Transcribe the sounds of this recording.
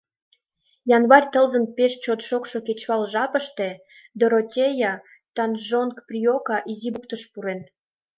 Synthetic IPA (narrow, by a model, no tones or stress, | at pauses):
jɑnβɑrʲt̪ə̆lzənpeʃt͡ɕot̪ʃokʃoket͡ɕβɑlʒɑpəʃt̪e | d̪oɾotʲejɑ | t̪ɑnʒonkprʲiokɑʔizibukt̪əʃpuɾen